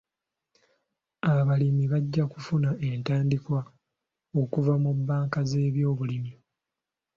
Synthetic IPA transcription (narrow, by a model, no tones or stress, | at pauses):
aβalimiβaɟːakufunae̞ntaːndikwa | o̞kuvamubːaːŋkaze̞ːβjo̞ːβulimi